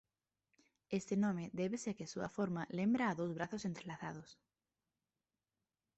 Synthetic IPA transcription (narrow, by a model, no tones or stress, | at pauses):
est̪enõmeðeβesekesuɐ̰foɾmalẽmbɾaːðowzβɾaθosent̪ɾelaθað̞os